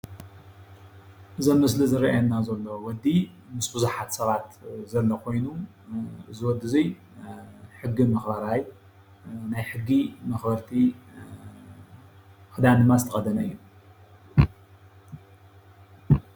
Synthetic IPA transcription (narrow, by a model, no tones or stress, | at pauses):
ʔɨzɐnmɨslɨzɨɾɐʔajɐnːazɐlːowɔd̪i | mɨsbɨzuħat̪sɐβat̪zɐlːɐkʰo̞jnu | zɨwɔd̪ɨzij | ħɨɡːimɐxbɐɾaj | najħɨɡːimɐxbɐɾt̪ʰi | kɨd̪anɨmazɨt̪ʰɐχʼɐd̪ɐnɐɨ̰jːu